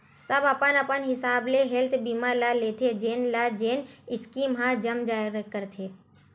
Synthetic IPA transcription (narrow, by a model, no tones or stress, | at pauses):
səbəpənɐpənɦɪsaːbleɦelt̪ʰbiːmalaleːt̪ʰed͡ʒeːnlad͡ʒeːnɪskimɦãd͡ʒəmd͡ʒaːɪɾəkːəɾt̪ʰeː